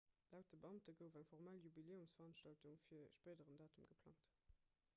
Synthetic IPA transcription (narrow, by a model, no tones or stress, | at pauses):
læʊt̚dəbəɑmtəɡəʊfæŋfɔʁmæljubileːumsfəɐʁɑnʃtɑltuŋfiːɐʃpeːdəʁəndɑːtəmɡəpʰl̥ɑ̰ŋt